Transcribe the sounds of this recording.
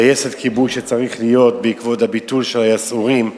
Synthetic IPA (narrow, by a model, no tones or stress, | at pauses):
ajese̞dkʰibujʃet͡saʁiχlijo̞tbeikvo̞dhabitulʃelajasuʁim